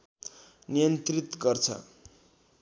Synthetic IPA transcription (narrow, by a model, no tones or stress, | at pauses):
nijʌnt̪rit̪ɡʌrt͡sʰʌ̰